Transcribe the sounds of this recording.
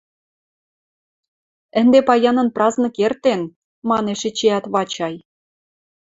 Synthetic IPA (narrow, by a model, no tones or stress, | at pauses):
ə̆nd̪epɑjɑnə̆nprɑznɤ̆kert̪en | mɑneʃĕt͡ɕeɑt̪βɑt͡ɕɑj